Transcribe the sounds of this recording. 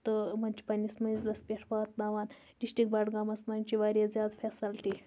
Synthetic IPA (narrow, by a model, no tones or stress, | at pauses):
t̪ɨmɐnt͡ʃi̥pɐnʲːismɐzlɐspʲeʈʰʋaːt̪̚naʋaːn | ɖ̥isʈik̚baʈɡamɐsmɐnʲt͡ʃiʋaːɾʲezʲjaːd̪fʰesɐlʈi